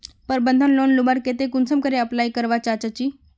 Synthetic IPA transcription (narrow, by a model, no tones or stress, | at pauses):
pəɾbənd̪ʱənlonlubaɾket̪ekunsəmkəɾeəplajkəɾʋat͡ɕat͡ɕat͡ɕiː